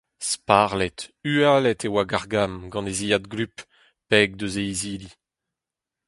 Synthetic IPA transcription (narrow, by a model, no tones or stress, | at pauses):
spaʁlɛt̪yalɛt̪ewaɡaʁɡamɡɑ̃neziad̪ɡlyp | pɛːɡ̚d̪øzeiziːli